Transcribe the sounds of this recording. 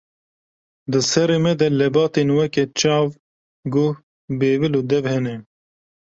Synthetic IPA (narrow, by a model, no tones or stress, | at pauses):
d̪ɨsɛɾeːmɛd̪ɛlɛbɑːt̪eːnwɛkɛt͡ʃɑːv | ɡo | beːviloːd̪ɛvhɛnɛ